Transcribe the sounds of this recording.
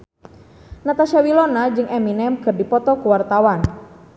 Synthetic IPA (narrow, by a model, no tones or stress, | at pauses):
nat̪aʃawilɔnad͡ʒɨŋʔɛminɛmkɨrdipɔt̪ɔkuwart̪awan